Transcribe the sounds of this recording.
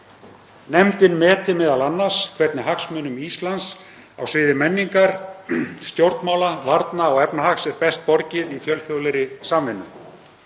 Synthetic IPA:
nɛmt̪ɪnmɛːt̪ɪmɛːðalanːḁskʰvɛɾt̪nɪɦaksmʏːnʏmiːst̪lans | a̰wsvɪːðɪmɛnːiŋkaɾ̥ | st̪jowɾt̪nmaːwlavaɾt̪naɔɣɛpnahaksɛɾpɛst̪̚pɔɾcɪðifjœlθjowlɛɾɪsamvɪnːʏ

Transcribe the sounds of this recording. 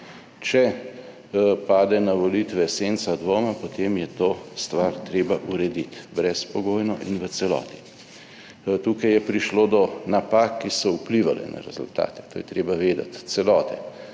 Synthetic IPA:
t͡ʃɛ | paːd̪ɛnaʋɔlit̪ʋɛseːnt̪sad̪ʋoːmapot̪eːmjɛt̪oːst̪ʋaːɾt̪ɾeːbaʔuɾɛd̪it̪bɾɛspɔɡoːjnɔʔinʋət̪sɛlɔ̰ːt̪i̥ | t̪uːkajjɛpɾiʃloːd̪ɔnapaːkːisɔupliʋalɛ̰na̰ɾɛzṵlt̪a̰ːt̪ɛ̥t̪oːjɛt̪ɾeːbaʋeːd̪a̰t̪sɛlɔːt̪ɛ̰

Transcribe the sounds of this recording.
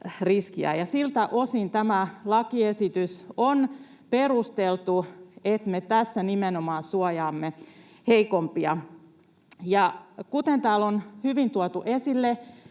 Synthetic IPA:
riskiæ̰jɑsilt̪æʔosint̪æmælɑkiesit̪yson | perust̪elt̪uet̪met̪æsːænimenomɑːnsuɑjɑːmːe | heikompiɑ | jɑkut̪ent̪æːlonhyʋint̪uɑt̪uʔesilːe

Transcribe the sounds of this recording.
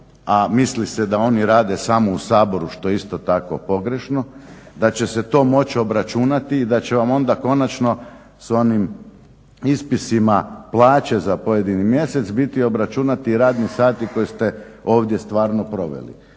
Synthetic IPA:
amislised̪ao̞niɾaːd̪esamousaːbo̞ɾuʃt̪o̞jeist̪o̞t̪ako̞̰po̞ɡɾe̞ʃno̞ | d̪at͡ɕe̞set̪o̞ːmo̞t͡ɕio̞bɾat͡ʃunat̪iːd̪at͡ɕe̞ʋamo̞nd̪ako̞nat͡ʃno̞ | so̞nim | ispisimaplˠaːt͡ɕe̞zapo̞je̞d̪inimje̞se̞t̪sbit̪io̞bɾat͡ʃunat̪iːɾaːd̪nisaːt̪iko̞jest̪e̞ | o̞ːʋd̪je̞st̪ʋaːɾno̞pɾo̞ʋḛlḭ

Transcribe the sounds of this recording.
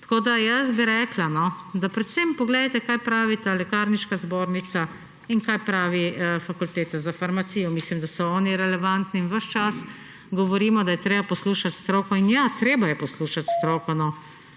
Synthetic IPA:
t̪koːd̪ajəsbiɾɛklanɔ | d̪apɾɛt̪sɛmpɔɡleːd̪at̪ɛkajpɾaːʋit̪alɛkaːɾniʃkazboːɾnit̪sa | inkajpɾaːʋifakult̪eːt̪azafaɾmat̪siːjɔmislimd̪asɔɔːniɾɛlɛʋant̪niːnʋəʃt͡ʃas | ɡɔʋɔɾiːmɔd̪ajɛt̪ɾeːbapɔsluːʃat̪st̪ɾoːkɔinjat̪ɾeːbajɛpɔsluːʃat̪st̪ɾoːkɔnɔ

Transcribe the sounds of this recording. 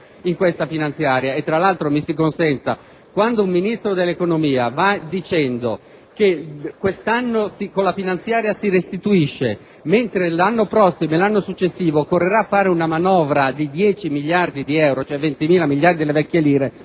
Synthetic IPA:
iŋkwest̪afinant̪sjaːɾjaet̪ːɾalːalt̪ɾomisikonsɛnt̪a̰ | kwand̪oumminist̪ɾod̪elːekonomiːavad̪it͡ʃɛnd̪o | kekwest̪anːosikolːafinant̪sjaːɾjasiɾest̪it̪uiʃːe | ment̪ɾelanːopɾɔsːimoelanːosut͡ʃːesːiːvokorːeɾaːfːaːɾeunamanɔːvɾad̪id̪jɛːt͡ʃimiljard̪id̪iɛwɾot͡ʃoɛvːent̪imiːlamiʎjaɾd̪ilevɛkʲːjeliːɾe

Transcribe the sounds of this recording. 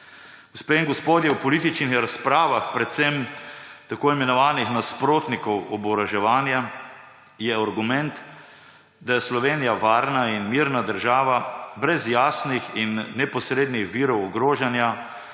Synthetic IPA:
ɡospeiŋɡɔspoːd̪jɛwpɔliːt̪it͡ʃnixɾaspɾaːʋaxpɾɛt̪sɛmt̪akoːimɛnɔʋaːnixnaspɾoːt̪nikɔwɔbɔɾaʒɛʋaːnja | jɛaɾɡumɛnt̪ | d̪ajɛslɔʋeːnijaʋaːɾnainmiɾnad̪əɾʒaːʋabɾɛzjaːsnixinːɛpɔsɾeːd̪nixʋiːɾɔwɔɡɾoːʒanja

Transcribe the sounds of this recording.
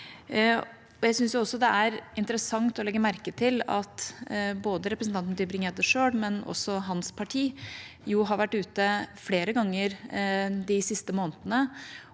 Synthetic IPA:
ɔjæɪsʏnsjʊɔsːɔd̪ɛæɾɪnt̪əɾəsɑŋt̪ɔlɛɡːəmæɾkət̪ʰɪlɑ̰t̪boːd̪əɾɛpɾəsn̩t̪ɑnt̪nt̪ʏbɾɪŋeːd̪əʂøːɽmɛnɔ̰sːɔɦɑnspʰɑʈʰiːjuɦɑɾʋæʈːʉːt̪əfleːɾəɡɑŋːəɾd̪ɪsɪst̪əmoːnt̪ənə

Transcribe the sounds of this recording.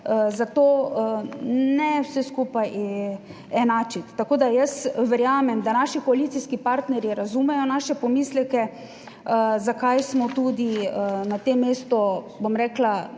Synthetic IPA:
əzat̪oː | nɛwsɛskupaj | ɛnaːt͡ʃit̪ːakoːd̪ajəsʋɛɾjaːmɛmd̪anaʃikɔalit̪siskipaɾt̪nɛɾjiɾazumɛjɔnaʃɛpɔmiːslɛkɛ | əzakajsmɔt̪uːd̪iənat̪emːeːst̪ɔbomɾɛːkla

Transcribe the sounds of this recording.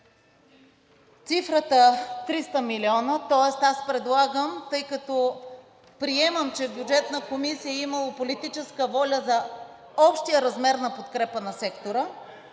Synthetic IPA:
t̪sifɾət̪ət̪ɾist̪əmiliɔnət̪ɔɛst̪aspɾɛd̪lˠaɡəmt̪ɤjkɐt̪ɔ | pɾiɛməmt͡ʃɛbjud͡ʒɛt̪nəkomisijəiməlˠəpolit̪it͡ʃɛskəvɔlʲəzɐ | ɔpʃt̪ijəɾɐzmɛɾnɐpot̪kɾɛpənɐsɛkt̪oɾə

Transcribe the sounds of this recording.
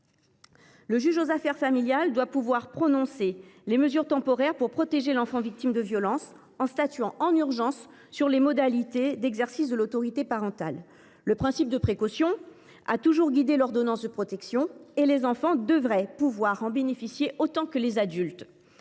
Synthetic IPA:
ləʒyʒozafɛʁfamiljald̪wapuvwaʁpχɔnɔ̃seleməzyʁt̪ɑ̃pɔʁɛʁpuʁpχɔt̪eʒelɑ̃fɑ̃vik̚t̪imd̪əvjɔlɑ̃s | ɑ̃st̪at̪yɑ̃ʔɑ̃nyʁʒɑ̃sː | yʁlemɔd̪alit̪ed̪ɛɡzɛʁsisd̪əlot̪ɔʁit̪epaʁɑ̃t̪a̰lː | əpχɛ̃sip̚d̪əpχekɔsjɔ̃ | a̰t̪uʒuʁɡʲid̪elɔʁd̪ɔnɑ̃sd̪əpχɔt̪ɛksjɔ̃elezɑ̃fɑ̃d̪əvʁɛpuvwaʁɑ̃benefisjeʔot̪ɑ̃kəlezad̪ylt̪

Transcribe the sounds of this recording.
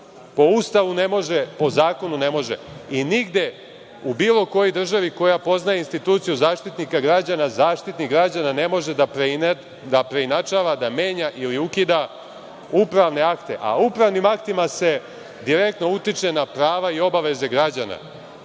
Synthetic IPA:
po̞ust̪aʋune̞mo̞ʒepo̞zaːko̞nune̞mo̞ʒḛiniɡd̪e̞ | ubiːlˠo̞ko̞jojd̪r̩ʒaʋiko̞japo̞znajeinst̪it̪uːt̪sijuzaːʃt̪it̪nikaɡɾad͡ʑanazaːʃt̪it̪nikɡɾad͡ʑanane̞mo̞ʒed̪aɾ | d̪apɾe̞inat͡ʃaʋad̪ame̞ːɲaʔiliukid̪a | upɾaʋne̞akt̪e̞̰ʔa̰upɾaʋnimakt̪imase̞ | d̪iɾe̞k̚t̪no̞ut̪it͡ʂe̞napɾaːʋaio̞baʋe̞ze̞ɡɾad͡ʑana̰

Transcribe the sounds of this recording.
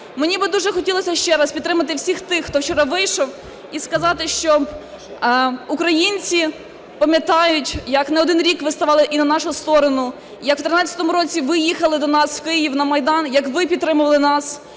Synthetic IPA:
menʲibɪd̪uʒɛxɔtʲilˠɔsʲɐʃt͡ʃɛɾɐspʲid̪t̪ɾɪmɐt̪̬ɪwsʲixt̪ɪxːt̪ɔwt͡ʃɔɾɐʋɪjʃɔw | iskɐzɑt̪ɪʃt͡ʃɔ | ukɾɐjinʲt͡sʲi | pɐmʲjɐt̪ɑjʊtʲjɐknɛɔd̪ɪnɾʲikʋɪst̪ɐʋɑlˠɪʔinɐnɑʃʊst̪ɔɾɔnʊ | jɐkw̥t̪ɾɪnɑt͡sʲɐt̪ɔmʊɾɔt͡sʲiʋɪjixɐlˠɪd̪ɔnɑswkɪjiwnɐmɐjd̪ɑnjɐkʋɪpʲid̪̚t̪ːɾɪmʊʋɐlˠɪnɑs

